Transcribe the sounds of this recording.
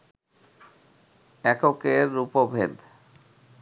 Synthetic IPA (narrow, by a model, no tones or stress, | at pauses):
ɛkokeɾːupobʱed̪